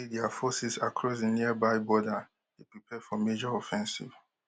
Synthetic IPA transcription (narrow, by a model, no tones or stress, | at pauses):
idɛafɔsisakʰɹɔs̬diniəbaɪbɔda | tepɹipʰɛd̥fɔmed͡ʒɔɔfɛ̃nsḭv